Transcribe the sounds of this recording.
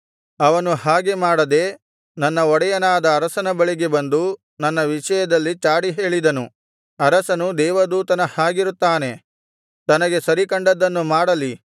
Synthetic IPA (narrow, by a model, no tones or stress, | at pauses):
ɐʋɐnuɦaːɡemaːɽɐd̪e̞ | nɐnːɐɔɽɐjɐnaːd̪ɐːɾɐsɐnɐbɐɭiɡe̞bɐnd̪u | nɐnːɐʋiʂɐjɐd̪ɐlːit͡ʃaːɽiɦe̞ːɭid̪ɐnu | ɐɾɐsɐnud̪ɛːʋɐd̪uːt̪ɐnɐhaːɡiɾut̪ːaːne̞ | t̪ɐnɐɡe̞sɐɾikɐɳɖɐd̪ːɐnːumaːɽɐli